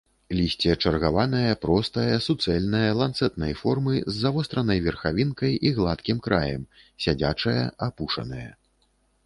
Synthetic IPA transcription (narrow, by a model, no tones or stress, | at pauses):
lʲisʲt͡sʲɛt͡ʂɐrɣavanɐjɐpɾɔst̪ɐjɐsut̪sɛlʲnɐjɐlˠant̪sɛt̪nɐjfɔrmɨzːavɔst̪ɾɐnɐjvʲɛrxavʲinkɐjiɣlˠat̪kʲimkɾajɐ̰m | sʲad͡zʲat͡ʂɐjɐ̰apuʂɐ̰nɐjɐ̰